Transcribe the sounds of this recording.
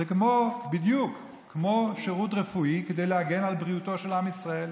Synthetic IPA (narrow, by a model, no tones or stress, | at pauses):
zekmo̞bid̪jukʰː | mo̞ʃeʁut̪ʁefuiked̪e̞jleaɡe̞nalbʁiuto̞ʃelamisʁae̞l